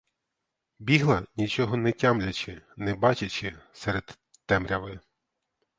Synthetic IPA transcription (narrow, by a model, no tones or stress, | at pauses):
bʲiɦlˠɐnʲit͡ʃɔɦɔnɛtʲamlʲɐt͡ʃɪnɛbɑt͡ʃɐt͡ʃɪsɛɾed̪ː | ɛmɾʲɐʋɪ